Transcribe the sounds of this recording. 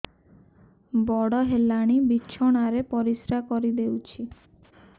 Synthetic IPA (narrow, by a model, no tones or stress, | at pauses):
bɔɽɔɦelaɽ̃ibiːʃʰɔɽ̃aɾepɔɾisɾakɔɾid̪ewt͡ʃʰi